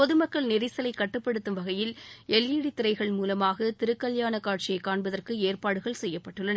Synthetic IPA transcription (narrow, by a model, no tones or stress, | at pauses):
pɔðɯmɐkːɐɭnɪɾɪsɐlɐɪkːɐʈːɯpːɐɽɯt̪ːɯmʋɐɣɐjɪlɛlːiːɽɪt̪ːɪɾɐɪɣɐɭmuːlɐmaːɣɐt̪ɪɾɯkːɐljaːnɐkaːʈ̚t͡ʃɪjɐɪkːaːɳbɐðɐrkɯeːrpaːɽɯɣɐɭsɛjːɐpːɐʈːɯɭːɐn